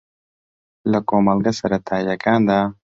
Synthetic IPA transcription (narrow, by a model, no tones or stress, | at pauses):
lakoːmalɡasaɾat̪ʰaːjakaːnd̪a